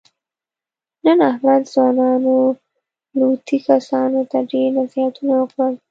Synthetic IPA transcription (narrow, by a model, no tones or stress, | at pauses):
nənahmad̪zwɑnɑno | lut̪ʰikasɑnot̪aɖeɾnazjat̪unawəkɽəl